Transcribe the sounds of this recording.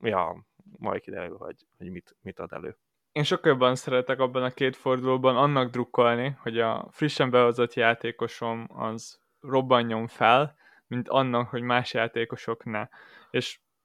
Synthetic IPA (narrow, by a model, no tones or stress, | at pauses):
jɒ̰ː | mɒ̰jkid̪ɛ̰ɾølɦɒ̰ɟ | hoɟmit̪mit̪ɒd̪ɛ̰lø̰ː | eːnʃo̞kːɒljo̞bːɒnsɛɾɛt̪ɛkɒbːɒnɒkeːt̪fo̞rd̪uloːbɒnɒnːɒɡd̪rukːo̞lniho̞ɟɒ̰friʃːɛmbɛɦo̞zo̞t̪jaːt̪eːko̞ʃo̞mɒ̰z | ro̞bːɒɲːo̞ɱfɛl | mint̪ɒnːɒkho̞ɟmaːʃjaːt̪eːko̞ʃo̞knɛ | eːʃ